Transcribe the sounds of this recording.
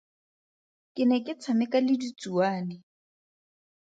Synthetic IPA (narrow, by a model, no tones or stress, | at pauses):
kʼɪnɛkʼɪt͡sʰamɪkʼalɪdit͡sʼuaːnɪ